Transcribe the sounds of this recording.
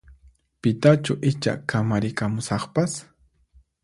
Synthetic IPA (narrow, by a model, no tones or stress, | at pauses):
pɪt̪at͡ʃʊʔɪt͡ʃa̰kamaɾɪkamʊsɑχpas